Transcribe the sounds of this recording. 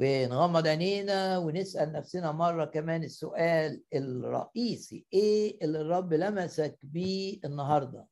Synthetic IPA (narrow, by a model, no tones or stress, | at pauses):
wenɣɑmːɑd̪ˤʕaleːnæwenesʔælnæfsɪnæmɑrˤːɑkæmæːnɪsːʊʔæːlelɾˤːɑ̰ʔiːsḭʔeːelːirˤːɑbːlæmæsækbiːʔenːɑɦɑɾˤd̪ˤɑ̰